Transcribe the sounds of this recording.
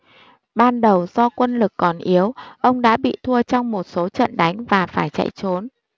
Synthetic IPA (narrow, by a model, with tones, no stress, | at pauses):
ɓaː˧nɗə˨˩wz̥ɔ˧kwə˧nlɨ˨˩kːɔ˨˩nʔi˨˦ə˦wʔə˧wŋ͡mɗa̰ː˧˥ɓḭ˧˨t̪ʰu˧ət͡ɕɔ˧wŋ͡mmo˨˩t̚so˨˦t͡ɕə̰˧˨nɗa˨˦jŋ̟vaː˨˩faː˧˩jt͡ɕa̰˧˨jt͡ɕo˨˦n